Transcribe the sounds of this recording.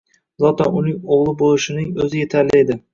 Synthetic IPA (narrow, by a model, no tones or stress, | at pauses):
zɒt̪ɒnʊnɪŋoʁlˠɪbolˠɪʃɪnɪŋɵzɪje̞t̪ʰaɾlɪed̪ɪ